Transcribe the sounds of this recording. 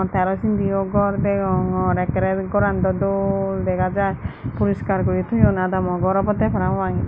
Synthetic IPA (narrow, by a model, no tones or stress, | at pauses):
t̪aɾɔsind̪iɔɡɔɾd̪ɛɔɾɛkɾɛkɔɾand̪ɔd̪ɔld̪ɛɡad͡ʒapuɾɔskaɾkɔɾit̪ʰɔjɔnad̪amɔɡɔɾɔpɔt̪ɛpʰɔɾamaŋi